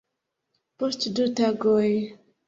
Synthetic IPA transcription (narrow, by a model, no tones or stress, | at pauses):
post̪ʰdutaɡoj